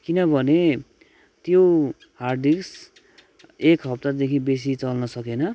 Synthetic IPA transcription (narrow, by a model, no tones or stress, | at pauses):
kinʌbʱʌne | t̪jo | hard̪iks | ekɦʌp̚t̪ad̪ekʰĩbes̬it͡sʌlnʌsʌkenʌ